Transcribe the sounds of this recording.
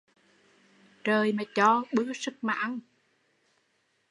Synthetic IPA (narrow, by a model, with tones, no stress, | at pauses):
t͡ɕəː˨˩jmaː˨˩t͡ɕɔ˧ɓɨ˦˥əsɨ˦˥k̚ma̰ː˧ŋ